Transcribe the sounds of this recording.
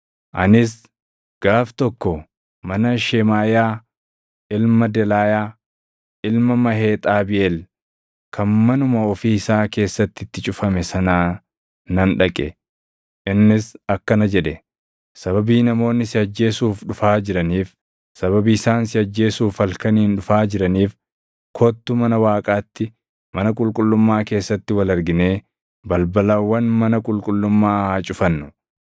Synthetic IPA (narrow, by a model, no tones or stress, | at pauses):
ʔɐnɪs̬ | ɡ̥aːft̪ɔkːɔ | mɐnɐʃɛmaːjaː | ʔɪlmɐd̪ɛlaːjaː | ɪlmɐmɐɦe̞ːt̪ʼaːbɪʔel | kʰɐnmɐnʊmɐɔfiːɪsaːke̞ːsːɐt̪ːɪt̪ːɪt͡ʃʼʊfɐmɛsɐnaː | nɐnᶑɐkʼɛ̰ | ʔɪnːɪsɐkːɐnɐd͡ʒɛᶑɛ | sɐbɐbiːnɐmo̞ːnːɪsɪɐd͡ʒːe̞ːsuːfᶑʊfaːd͡ʒɪɾɐniːf | sɐβɐbiɪsaːnsɪɐd͡ʒːe̞ːsuːfɐlkɐniːnᶑʊfaːd͡ʒɪɾɐniːf | kʰoːt̪ːʊmɐnɐwaːkʼaːt̪ːɪ | mɐnɐkʼʊlkʼʊlːʊmːaːke̞ːsːɐt̪ːɪwɐlɐɾɡɪne̞ː | bɐlbɐlɐwːɐnmɐnɐkʼʊlkʼʊlːʊmːaːhat͡ʃʼʊfɐnːʊ